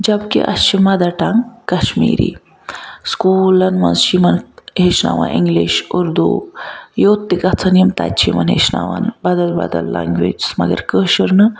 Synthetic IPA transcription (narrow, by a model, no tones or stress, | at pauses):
d͡ʒɐbkḭʔɐ̰t͡ʃimad̪aʈaŋɡkɐɕmiːɾḭ | skuːlɐnʋãnzʃimɐnɦeʃna̰ʋã̰ʔiŋɡliɕuɾd̪ujot̪ːikat͡sʰɐnjimt̪a̰t͡ʃʰimɐnɦeʃna̰ʋanbɐd̪ɐlba̰d̪ɐlːa̰ŋɡʋed͡ʒsmɐɡə̰ɾkəʃəɾnɨ